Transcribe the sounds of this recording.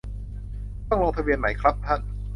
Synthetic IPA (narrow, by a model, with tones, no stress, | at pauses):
t̪ɔ˥˩ŋlo˧ŋp̪ʰa˧wi˧nma˩˦jkʰɾa˦˥p̚t̪ʰa˥˩n